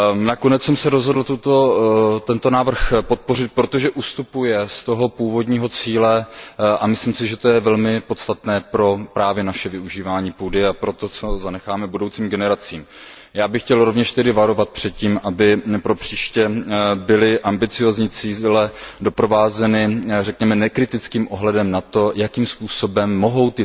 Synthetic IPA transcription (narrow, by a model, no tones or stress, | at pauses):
nako̞nɛt͡ssɛmsɛɾo̞zɦodl̩t̪ut̪ot̪ɛnt̪o̞naːvr̩xpo̞t̪̚po̞rɪt̪̚pɾo̞t̪oʒɛʔust̪upujɛst̪o̞ɦo̞puːvodɲiːɦo̞t͡siːlɛamɪsliːmsɪʒɛt̪o̞jɛvɛlmɪpo̞t̪st̪at̪nɛːpɾo̞pɾaːvjɛnaʃɛvɪuʒiːvaːɲiːpuːdɪapɾo̞t̪o̞t͡so̞zanɛxaːmɛbudo̞wt͡siːmɡɛnɛɾat͡siːmjaːbɪxcɛlɾo̞vɲɛʃt̪ɛdɪvaɾo̞vat̪̚pr̥ɛt̪̚ciːmʔabɪpɾo̞pr̝̥iːʃcɛbɪlɪʔambɪt͡sɪjoːzɲiːt͡siːlɛdo̞pɾo̞vaːzɛnɪrɛkɲɛmɛnɛkɾɪt̪ɪt͡skiːmʔoɦlɛdɛmnat̪o̞jakiːmspuːso̞bɛmːo̞ɦo̞wt̪ɪ